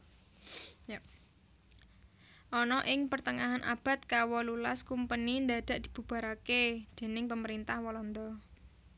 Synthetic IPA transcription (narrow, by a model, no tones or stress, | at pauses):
ʔɔnɔʔɪŋpərt̪əŋaɦanʔa̰b̥a̤t̪̚kawɔlulaskumpənind̪ad̥a̤ʔd̪̥i̥̤b̥ṳb̥a̤ɾaked̪̥e̤nɪŋpəməɾint̪ahwɔlɔnd̪ɔ